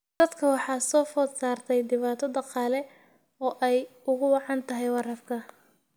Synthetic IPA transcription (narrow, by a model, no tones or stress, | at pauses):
d̪̥ɐd̪kʰɐwɑħɑːsɔːfɔd̪saːrt̪ʰɛjd̪ɪβaːt̪ʰɐd̪ɑqɑːlɛ | ɔːʔɛjʊɣʊwɑʕɑnt̪ʰɐɦɛjwɑrɐfkʰɐ